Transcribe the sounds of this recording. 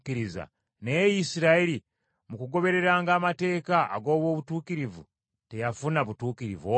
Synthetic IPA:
kiɾiza̰ | nejisiɾaeɾi | mukuɡo̞βe̞ɾe̞ɾaːŋɡaːmate̞ːka̰ːɡo̞ːβwo̞ːβutuːkiɾivṵ | te̞jafunaβutuːkiɾḭvo

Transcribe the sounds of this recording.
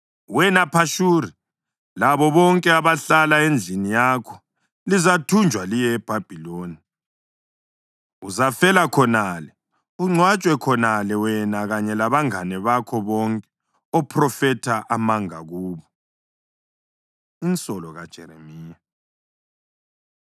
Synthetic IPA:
wɛnapʰaʃuːɾi | laβɔβɔŋkʼɛaβaɬalaend͡ɮʱinijakʰɔ̥ | lizatʰund͡ʒʱwalijɛːb̥ʱab̥ʱiloːni | uzafɛlakʰɔnalɛ | uŋ͡ǀʱwat͡ʃʼwɛkʰɔnalɛwɛnaɣaɲɛlaβaŋanɛβakʰɔβɔŋkʼɛ | ɔpʰrɔfɛtʰaʔamaŋa̰ɣuːβɔ | int͡sʼɔlɔɣad̥ʒ̥ʱɛ̰ɾḛmiːja

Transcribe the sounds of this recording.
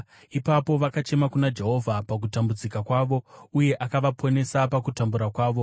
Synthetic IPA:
ipapo̞ʋakat͡ʃe̞makunad͡ʒe̞ɦo̞vʱapak̬utambud͡zikakwaːʋo̞uje̞ʔakaʋapʰo̞ne̞sapakutambuɾakwaːʋo̞

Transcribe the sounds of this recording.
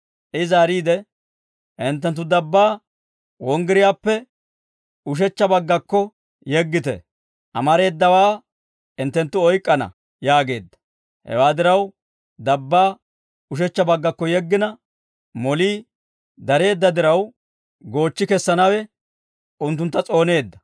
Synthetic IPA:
ʔɪzaːɾiːd̪ɛ | ʔɪnt̪̬ːɛnt̪̬ːʊd̪ɐbːaː | wɔŋɡɪɾɪjaːpːɛ | ʊʃ̬ɛt͡ʃːɐbɐɡːɐkːɔ | jɛɡːɪt̪ɛ̰ | ʔɐ̰mɐɾe̞ːd̪ːɐwaː | ɪnt̪ːɛnt̪ːʊɔjkʼːɐnɐ̰ | jaːɡe̞ːd̪ːɐ̥ | hɛ̰waːd̪ɪɾɐw | d̪ɐbːaː | ʊʃ̬ɛt͡ʃːɐbɐɡːɐkːɔjɛɡːɪnɐ | mɔliː | d̪ɐɾe̞ːd̪ːɐd̪ɪɾɐw | ɡo̞ːt͡ʃːɪkɛsːɐnɐwɛ | ʔʊnt̪̬ːʊnt̪ːɐt͡sʼo̞ːne̞ːd̪ːɐ̥

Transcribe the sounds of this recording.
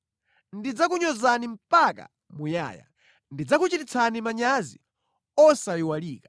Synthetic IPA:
ndid͡zak̬uɲɔzanim̩paka̰ | muja̰ːja̰ | ndid͡zakut͡ʃitit͡sʰanimaɲazḭ | ɔsajiwaliːkḁ

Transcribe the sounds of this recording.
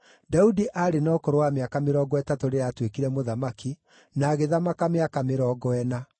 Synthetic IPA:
daudiʔaɾenaokɔɾowameakameɾɔɡɔɛtatoɾeatwekiɾɛmoðamaki | naːɣeðamakameakameɾɔːɡɔɛna

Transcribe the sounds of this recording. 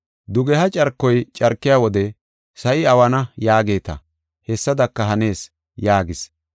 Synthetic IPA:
d̪ʊɡɛhɐt͡ʃʼɐɾkːɔjt͡ʃʼɐɾkːɪjaːwɔd̪ɛ | sɐʔɪɐwɐnɐjaːɡe̞ːt̪ɐ̰ | hɛsːɐd̪ɐkːɐɦɐne̞ːs | jaːɡɪs

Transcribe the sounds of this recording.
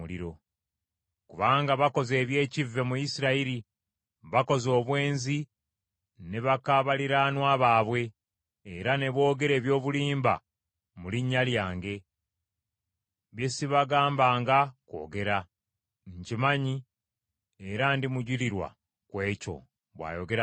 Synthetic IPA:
lḭɾo̞ | kuβaːŋɡaβako̞ze̞ːβje̞ːcivːe̞mujisiɾaiɾi | βako̞zo̞ːβwe̞ːnzi | ne̞βakaβaliɾanwaːβaːβwe̞ː | ɾane̞βwo̞ːɡe̞ɾe̞ːβjo̞ːβuliːmba̰ | muliɲːaljaːŋɡe̞ | βjesiβaɡaːmbaːŋɡako̞̰ːɡe̞ɾa | ɲcimaɲi | eɾandimuɟiliɾwa̰ | kwe̞ːco̞̰ | βwa̰ːjo̞ɡe̞ɾa

